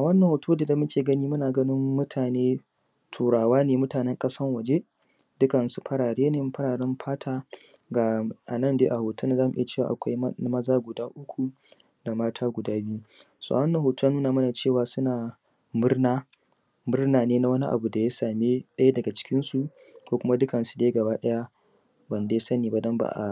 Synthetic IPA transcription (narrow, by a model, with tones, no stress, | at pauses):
ʔa˨wɐ˦nːɐ˨hoː˨tʰuː˦da˨da˨mʊ˦kʲeː˨ɡɐ˦niː˦mʊ˦naː˨ɡɐ˦nɪ˦mːʊ˦tʰaː˨neː˦ | tʰuː˨ɽaː˨waː˦neː˨mʊ˦taː˨nɛ˦ŋkʼɐ˦sɐ˦rwɐ˨d͡ʒe˦ | dʊ˦kɐ˨n˨su˨ɸɐ˦ɽaː˨ɽeː˦ne˦˨˦ɸɐ˦ɽaː˨ɽɛ˦mɸʰaː˦tʰaː˦ | ɡa˨ʔa˨nɐ˦˨ndeː˦ʔa˨hoː˨tʰːnː˨zaː˦mu˨ʔɪ˦ja˨t͡ʃeː˦˨wa̰˨ʔa˨kʷa˦jmɐ˦zaː˦ɡʷʊ˨daː˦ʔʊ˦kʷu˨ | da˨maː˦tʰaː˦ɡʷʊ˨daː˦bi˦u˦ | so̰˦˨a˨ɐ˦nːɐ˨ɦoː˨tu˦a˦nuː˦naː˨mɐ˦na˨t͡ʃeː˦˨waː˦sʊ˦naː˨ | mʊ˦rnaː˦ | mʊ˦rnaː˨neː˦na˦wɐ˦ni˦ʔa̰˨bu˨da˨ja˦saː˨me˦ɗɐ˦ja˦dɐ˨ɡa˨t͡ʃɪ̥˦kʲɪ˦nsu˨ | kʷoː˦kʷʊ˦ma˦dʊ˦kɐ˨nsu˨deː˦ɡɐ˨baː˦ɗɐ˦ja˦ | bɐ˨ndeː˦sɐ˦niː˨ba˨dɔ˦mba̰ː˨ʔa̰˨